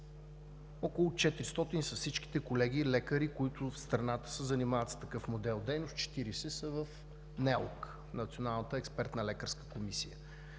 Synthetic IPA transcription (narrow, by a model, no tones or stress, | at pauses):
ɔkolˠʊt͡ʃɛt̪ɾist̪ɔt̪inisɐfsit͡ʃki̥t̪ɛkolɛɡ̟ilɛkəɾikoit̪ʊfst̪ɾɐnat̪ə̥səzɐnimavət̪st̪ɐkɤfmod̪ɛlˠd̪ɛjnost̪t͡ʃɛ̥t̪iɾisɛsəvəf | nɛlˠk | nɐt̪sionalˠnət̪əɛkspɛɾt̪nɐlɛkəɾskə̥komisijə